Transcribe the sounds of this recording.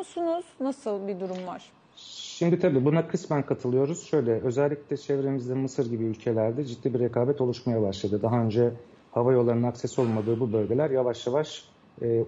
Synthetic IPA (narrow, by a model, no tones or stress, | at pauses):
sunuz̥nasɯlˠbid̪uɾumvaɾ̥ | ʃimd̪it̪ʰabiːbunakʰɯsmænkʰat̪ʰɯlˠɯjo̞ɾuz̥ʃø̞jlʲɛø̞zɛlʲːiclʲɛt͡ʃʰɛvɾemizd̪ɛnmɯsɯɾɟibiylʲcʰe̞lʲæɾd̪ɛd͡ʒit̪ːiːbiɾekʰaːbɛt̪ʰo̞lˠuʃmajabaʃlˠad̪ɯd̪aɦaø̞nd͡ʒɛ | havajo̞lˠːaɾnɯnaksɛso̞lˠmad̪ɯːbubø̞lʲɟe̞lʲæɾjavaʃjavaʃː